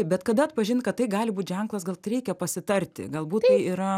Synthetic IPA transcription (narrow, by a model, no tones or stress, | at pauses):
ɪp̚bʲɛt̪kɐd̪ɐɐt̪pɐʒʲɪnkɐt̪tːɐɪɡɑːlʲɪbuːt̪ʒʲɛŋklˠɐs̬ɡɐlˠɾʲɛɪkʲɛpɐsʲɪt̪ɐrʲt̪ʲɪ̰ɡɐlˠbuːt̪tɐɪiɾɐ